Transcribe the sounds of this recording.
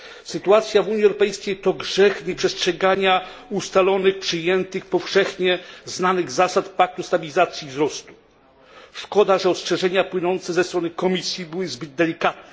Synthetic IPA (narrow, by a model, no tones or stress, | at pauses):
sɘt̪uat̪sʲjavuɲiɛwɾɔpɛjskʲejt̪ɔɡʐɛxɲɛpʂɛstʂɛɡaɲa | ust̪alɔnɘxpʂɘjɛnt̪ɘxpɔfʂɛxɲɛznanɘɣzasat̪pak̚t̪ust̪abʲilʲizat̪sʲjivzɾɔst̪u̥ | ʂkɔd̪aʐɛɔstʂɛʐɛɲapwɘnɔnt̪sɛzɛst̪ɾɔnɘkɔmʲisʲjibɘwɘzbɘd̪̚d̪ɛlʲikat̪nɛ